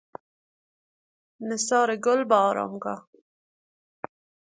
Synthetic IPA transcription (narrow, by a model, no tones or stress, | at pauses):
nɪsɑːɾeɡʊlbɑːɾɑ̰mɡa̰